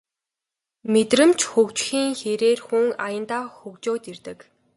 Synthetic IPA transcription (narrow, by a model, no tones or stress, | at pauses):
met̪rɘ̆mt͡ɕxɵkt͡ɕxiːŋxeɾeːrxuŋajə̆nt̪aːxɵkt͡ɕoːt̪ert̪ɘ̆k